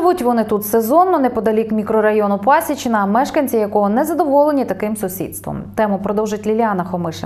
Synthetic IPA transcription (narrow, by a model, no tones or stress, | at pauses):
ʋutʲʋɔnɪt̪ut̪sezɔnːɔnɛpɔd̪ɐlʲikmʲikɾɔɾɐjɔnʊpɑsʲit͡ʃɪnɐːmɛʃkɐnʲt͡sʲijɐkɔɦɔnɛzɐd̪ɔʋɔlˠenʲit̪ɐkɪmsʊsʲḭd̪st̪ʋɔ̰mt̪ɛmʊpɾɔd̪ɔwʒɪtʲlʲilʲɑnɐxɔmɪʃe